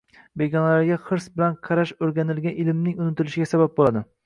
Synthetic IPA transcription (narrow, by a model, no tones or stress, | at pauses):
beɡʲɒnlaɾɡʲaχɨɾsbɪlanqʰɑɾaʃoɾɡʲanɪlɡʲanɪlmnɪŋʊnɪt̪ɪlɪʃɪɡʲasabap̚bolˠad̪ɪ